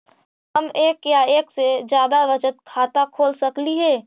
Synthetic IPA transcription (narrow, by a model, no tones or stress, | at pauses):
ɦɐmeːkjaeːksed͡ʒjaːd̪aʋɐt͡ʃət̪̚kʰaːt̪akʰoːlsɐkliɦɛː